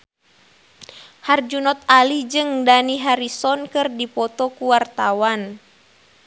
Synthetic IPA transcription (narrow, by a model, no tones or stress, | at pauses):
hard͡ʒunɔt̪̚alid͡ʒɨŋdaniɦaɾisɔnkɨrdipɔt̪ɔkuwart̪awan